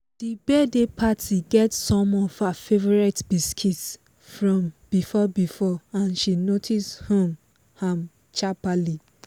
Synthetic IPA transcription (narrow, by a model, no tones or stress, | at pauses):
d̥ibɛdepʰatʰiɡɛtsɔ̃mɔv̥hafevɔɹɛtbiskʰits | fɹɔ̃mb̥ifɔbifɔãnʃinotʰishɔ̃m | hãm | t͡ʃapali